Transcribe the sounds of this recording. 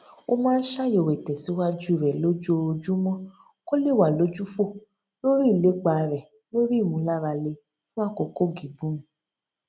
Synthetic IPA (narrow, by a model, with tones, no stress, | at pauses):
o˧mãː˦n̩˦ʃa˦jo˨wɛ˨tɛ˨si˨˦wa˦d͡ʒu˦i˦˨ɾɛ˨lo˨˦d͡ʒu˦o˧o˧d͡ʒu˦mɔ̃˦ | ko˦le˦˨wa˨lo˨˦d͡ʒu˦fo˦˨ | lo˦ɾi˦˨le˨˦k͡pa˨˧ɾɛ˨ | lo˦ɾi˦˨mũ˧˦la˦ɾa˧le˧ | fũ˦a˦˨ko˧ko˦ɡi˨ɡ͡bũ˦